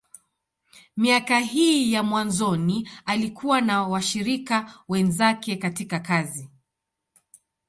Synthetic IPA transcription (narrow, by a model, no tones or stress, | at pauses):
miakaɦiːjamwanzɔnialikʰuwanawaʃiɾikawɛnzakɛkatikakazi